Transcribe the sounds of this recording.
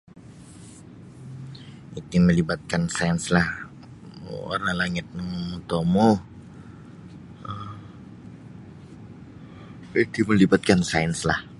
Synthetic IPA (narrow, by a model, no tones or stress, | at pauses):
it̪iməlibat̪̚kansanslah | o̰ralaŋɪt̪̚nəŋt̪omoh | ə | id̪̥iməlibat̪̚kansaɛnslah